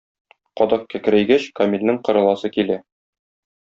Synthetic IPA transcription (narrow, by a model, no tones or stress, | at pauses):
qɒd̪ɑq̚kækɘ̆ɾæjɡæɕkɒmʲilʲnɘŋqɤ̆ɾɤ̆lˠɑsɤkilæ